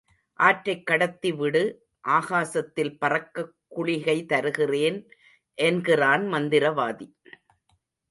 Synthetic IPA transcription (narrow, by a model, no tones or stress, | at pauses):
ʔaːʈɾɐɪkːɐɽɐt̪ːiʋɪɽɯ | ʔaːɣaːsɐt̪ːɪlpɐrɐkːɐkːʊɭɪɣɐɪt̪ɐɾɯɣɪreːn | ʔɛnɡɪraːnmɐnd̪ɪɾɐʋaːði